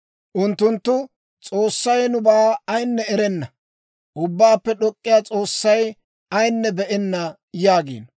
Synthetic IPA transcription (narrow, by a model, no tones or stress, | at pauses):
ʔʊnt̪ːʊnt̪ːʊ | t͡sʼoːsːɐjnʊbaːɐjnːɛɛɾɛnːɐ | ʔʊbːaːpːɛɗɔkʼːɪjaːt͡sʼo̞ːsːɐj | ɐjnːɛbɛʔɛnːɐ | jaːɡḭːn